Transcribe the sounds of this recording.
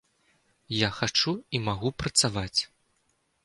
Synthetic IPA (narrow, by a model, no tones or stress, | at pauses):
jaxat͡ʂuimaɣupɾɐt̪savat͡sʲ